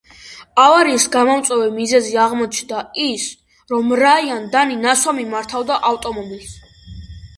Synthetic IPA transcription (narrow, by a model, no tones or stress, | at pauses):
avaɾisɡamɔmt̪sʼwɛvɛmizɛziaʁmɔt͡ʃʰnd̪ais | ɾɔmɾaiand̪aninaswamimaɾt̪ʰavd̪aʔaft̪ʼɔmɔbils